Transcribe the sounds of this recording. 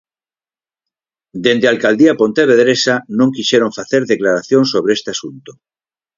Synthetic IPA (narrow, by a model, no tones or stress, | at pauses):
d̪end̪ealkald̪iapont̪eβeðɾesanõŋkiʃeɾoɱfaθeɾðeklaɾaθjoŋsoβɾeest̪easunt̪o̥